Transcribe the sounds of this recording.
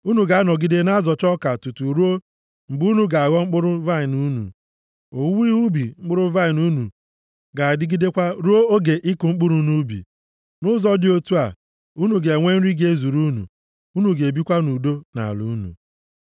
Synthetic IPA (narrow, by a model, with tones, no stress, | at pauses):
u˦nu˨ɡa˨a˦nɔ˨ɡi˦de˦na˦zɔ˨t͡ʃɔ˦ka˨tu˨tu˨ɾu˦o˦ | ŋ͡m̩˨bu˦nu˦ɡa˨ɣɔ˦ŋ͡m̩˦k͡pʊ˦ɾʊ˦va˦i˨nu˦nṵ˨ | o˨˦wu˦i˦ɦu˦bi˨ŋ͡m̩˦k͡pʊ˦ɾʊ˦va˦i˨nu˦nṵ˨ | ɡa˨a˨dɪ˦ɡi˦de˦kʷa˦ɾu˦o˦o˦ɡe˨ʔɪ˦kʊ˨ŋ͡m̩˦k͡pu˦ɾu˨nu˦bḭ˨ | nʊ˦zɔ˦dɪ˦o˦tu˦a˨ | u˦nu˨ɡe˨ŋʷe˦n̩˦ɾi˦ɡe˦zu˨ɾu˦nṵ˨ | u˦nu˨ɡe˨bi˦kʷa˦nu˨do˦na̰˨lṵ˨˦nṵ˨